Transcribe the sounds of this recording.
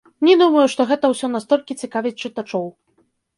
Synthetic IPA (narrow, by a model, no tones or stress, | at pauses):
nʲɛd̪umɐjuʂt̪ɔɣɛt̪ɐwsʲɔnast̪ɔlʲkʲit͡sʲikavʲit͡ʂɨt̪at͡ʂɔw